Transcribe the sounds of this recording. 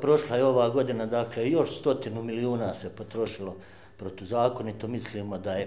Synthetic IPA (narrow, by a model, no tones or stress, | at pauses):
pɾo̞ʃlˠajeo̞ʋaːɡo̞d̪inad̪aklejo̞ʃst̪o̞t̪inumiliuːnaːse̞po̞t̪ɾo̞ʃilo̞ | pɾot̪ozaːko̞nit̪omisliːmo̞d̪aje